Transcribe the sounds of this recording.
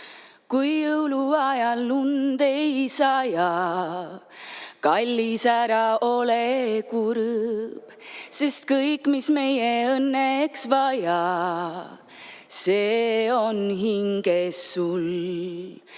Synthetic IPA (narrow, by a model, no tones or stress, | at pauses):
kujːɯwluɑjɑlːund̪e̞jsɑjɑ | kɑlʲːisæɾɑʔo̞lekuɾb̥se̞st̪̚kɤjkːˑmisme̞jeɤnːeksvɑjɑ | seːo̞nɦiŋɡ̥esul